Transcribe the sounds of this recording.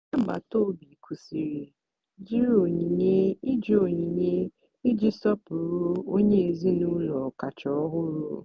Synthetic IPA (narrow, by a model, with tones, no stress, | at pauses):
a˦m̩˨ɡ͡ba̰˨to˦˨bi˨kʰu˨si˨ɾi˨ | d͡ʒi˦ɾo˨ɲi˨ɲe˦i˦d͡ʒi˨˦o˨ɲi˨ɲe˦ | ɪ˦d͡ʒi˦sɔ˦pʊ˨ɾu˦o˦ɲe˦e˨zi˦nu˦lɔ˨ka˨t͡ʃɔ˨ɔ˦ɦʊ˦ɾṵ˦